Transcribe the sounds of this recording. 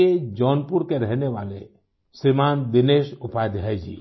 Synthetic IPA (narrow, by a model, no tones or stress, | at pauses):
ed͡ʒɔnpuɾkeɾɛɦnewale | sɾimand̪ineʃupajd̪ɦajd͡ʒʰḭ